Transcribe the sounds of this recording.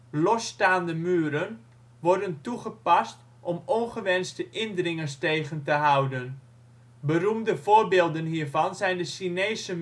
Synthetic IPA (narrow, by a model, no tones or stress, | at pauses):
lɔsːtaːndəmyːəɾən | ʋɔrdəntuχəpɑst | ʔɔmɔnχəʋɛnstəʔɪndrɪŋəsteːχəntəɦawdən | bərumdəv̥oːrbeːlˠdənɦiːrvɑnzɛjndəsineːsə